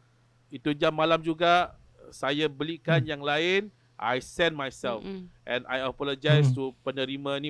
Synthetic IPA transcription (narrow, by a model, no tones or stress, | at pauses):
it̪ud͡ʒamːalamd͡ʒuɡa | sajabəlikanjaŋlaɪn | ʔa̰jsɛnmajsɛlfʔɛ̃na̰jəpɔləd͡ʒajstupənəɾimãini